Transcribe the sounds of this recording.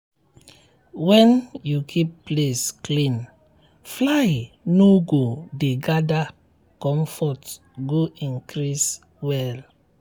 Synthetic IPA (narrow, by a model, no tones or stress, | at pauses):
wɛ̃njukʰipːlesklĩn | flaj | noɡodeɡada | kɔ̃mfɔt | ɡoʔĩnkɹis | wɛl